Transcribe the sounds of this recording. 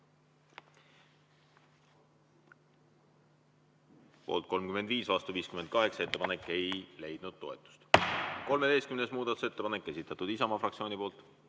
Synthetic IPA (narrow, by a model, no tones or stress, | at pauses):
po̞̰ːlt̪̚ko̞lmkymed̪viːsvɑst̪uviːskyme̞nt̪̚kɑɦe̞kse̞t̪ːepɑne̞kːˑe̞jle̞jd̪̥nud̪̥̚t̪o̞et̪ːˑu̥st̪ko̞lmed̪e̞jst̪kymne̞smuːd̪ɑt̪u̥se̞t̪ːepɑne̞kˑːe̞sit̪ːˑɑt̪ud̪isɑmɑfrɑktsio̞ːnʲipo̞ːlt̪ˑ